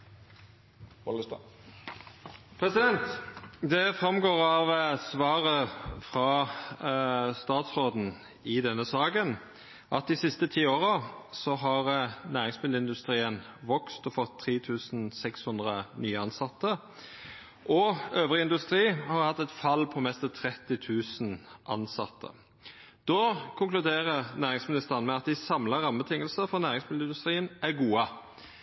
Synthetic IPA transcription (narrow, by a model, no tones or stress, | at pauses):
pʰɾɛsɪd̪ɛnt̪d̪ɛfʁɑmɡoːʁɑʋsʋɑːʁəfʁɑ | st̪ɑːt̪sʁoːd̪n̩ | ɪd̪ɛnːəsɑːɡən | ʔɑ̰t̪̚d̪ɪsɪst̪ət̪ʰiːoːʁəsɔɦɑʁənæːʁɪŋsmɪd̪l̩ɪnd̪ʉst̪ʁiːən | ʋɔkst̪ɔfɔt̪ʰːʁiːt̪ʰʉːsn̩sɛkshʉnd̪ʁənyːəɑnsɑt̪ːə | ʔɔøːvʁɪɪnd̪ʉst̪ɾiːhɑɾhɑt̪ːɛt̪fɑlːpʰɔmɛst̪ɑt̪ʰɾɛt̪ːɪt̪ʰʉːsn̩ʔɑ̰nsɑt̪ʰːə̰ | d̪̥ɔkʰʊŋklʉd̪eːʁənæːʁɪŋsmɪnɪst̪əɑnmɛɑt̪̚d̪ɪsɑmlɑɾɑməbət̪ʰɪŋːəlsəfɔnæːʁɪŋsmɪd̪lɪnd̪ʉst̪ɾiːənʔæɡuːə